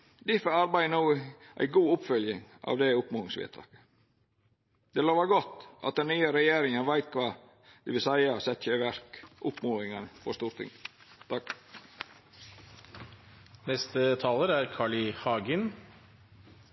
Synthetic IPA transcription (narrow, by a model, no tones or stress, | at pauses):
d̪ɪfəɑɾbæɪnuːʔæ̰ɪɡuːʊpfœljɪŋʔɑ̰ːʋd̪ɛʊpmuːɪŋsʋḛːt̪ʰɑ̰ːkə̥ | d̪̥ɛloːʋəɡɔt̪ːʔɑ̰t̪̚d̪ɛnnyːəɾɛjeːɾɪŋənʋæɪt̪kʰʋɑː | d̪̥ɛʋɪlsæɪɑsɛt̪çəʋæɾkʔʊpmuːɪŋɑnəfɔst̪uːɾʈt̪ʰɪ̰ŋt̪ʰɑk | nɛst̪ət̪ʰɑːləɾæɾkʰɑːɭɪhɑːɡən